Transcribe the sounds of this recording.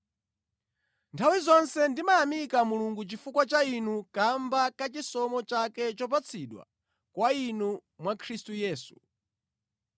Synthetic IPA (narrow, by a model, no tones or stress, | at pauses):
ntʰawizɔnsɛndimaamikamuluŋɡut͡ʃifukwat͡ʃainukambakat͡ʃisɔmɔt͡ʃakɛt͡ʃɔp̬at͡sʰiɗwa̰ | kwainumwakʰɾistujɛːsu̥